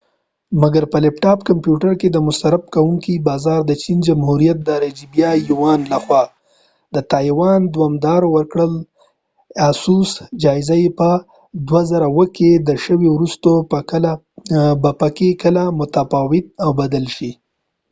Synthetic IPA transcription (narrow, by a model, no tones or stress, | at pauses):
maɡaɾpəlɪpʈɑpkampjuʈaɾked̪əmʊst̪aɾap̚kawuŋkibɑzɑɾd̪ət͡ʃind͡ʒamhuɾijat̪̚d̪əɾad͡ʒibjɑjuwɑnlaxwɑ | d̪ət̪ɑjwɑnd̪wɑmd̪ɑɾowəɾkɽəl | asusd͡ʒɑɪzajepə | d̪wazaɾawəked̪əʃəwewɾust̪ola | bapakekəlamʊt̪afɑwɪt̪̚awbad̪alʃi